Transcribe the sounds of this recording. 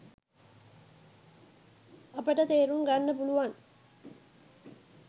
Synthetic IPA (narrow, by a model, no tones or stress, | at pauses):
ɐpəʈɐt̪eːɾumɡanːɐpuluʋan